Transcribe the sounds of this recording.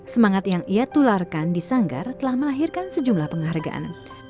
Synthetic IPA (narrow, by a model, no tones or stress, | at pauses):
səmaŋat̪jaŋiat̪ularkandisaŋɡa̰rt̪əlahməlaɦirkansəd͡ʒumlahpəŋarɡa̰ʔa̰n